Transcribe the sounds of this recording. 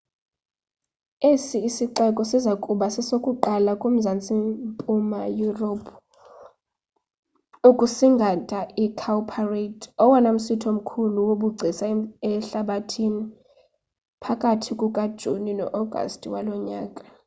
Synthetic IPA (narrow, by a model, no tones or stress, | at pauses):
esiːsiǃɛkʼɔsizakʼuɓasɛsokʼuǃalakʼum̩zant͡sʼimpʼumajuropʰ | ukʼusiŋɡʱatʼaʔikʰalpʰaretʰɔwanam̩sitʰom̩kʰuluwoɓuɡ͡ǀʱisaɛɬaɓatʰini | pʰakʼatʰikʼukʼad̥ʒ̥ʱuninɔ̰ʔɔɡ̥ʱa̰stʰʼwalɔɲaːkʼa